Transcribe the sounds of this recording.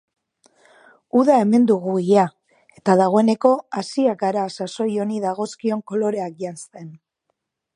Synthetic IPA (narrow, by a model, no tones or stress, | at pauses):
uðae̞me̞nd̪uɣuia | e̞t̪aðaɣ̞o̞ene̞ko̞asiak̚ɡaɾaːsaso̞jo̞niðaɣ̞o̞skio̞ŋko̞lo̞ɾe̞ak̚ʝanst̪e̞n